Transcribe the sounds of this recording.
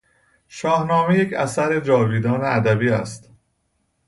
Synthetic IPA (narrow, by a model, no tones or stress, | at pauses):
ʃɒːhnɒːme̞jecʰæsæɾe̞d͡ʒɒːviːd̪ɒːneæd̪æbiːæst̪